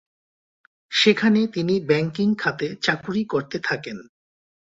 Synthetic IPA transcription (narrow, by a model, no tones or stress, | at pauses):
ʃekʰanet̪inibɛŋkiŋkʰat̪et͡ɕakuɾikoɾt̪et̪ʰaken